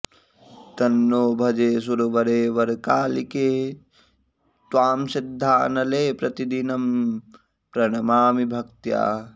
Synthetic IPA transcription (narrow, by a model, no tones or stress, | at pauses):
t̪ɐnːoːbʱɐd͡ʒeːs̬uɾʋɐɾeːʋɐɾkaːlikeː | t̪waːmsid̪ʱːaːnɐleːpɾɐt̪id̪inɐm | pɾɐɽɐmaːmibʱɐk̚t̪ja̰ː